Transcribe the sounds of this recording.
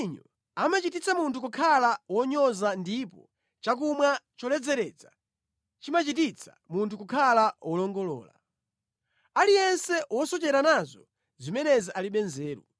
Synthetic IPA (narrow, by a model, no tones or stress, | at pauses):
ɲɔ | amat͡ʃitit͡sʰamuntʰukukʰalawɔɲɔzandipɔ | t͡ʃak̬umwat͡ʃɔlɛd͡zɛɾɛt͡sḁ | t͡ʃimat͡ʃit̬it͡sʰḁ̰muntʰukukʰalawʔɔlɔŋɡɔlɔ̰ːla̰ | alijɛnsɛwɔsɔt͡ʃɛɾanazɔ | zimɛnɛziʔaliɓɛnzɛːɾṵ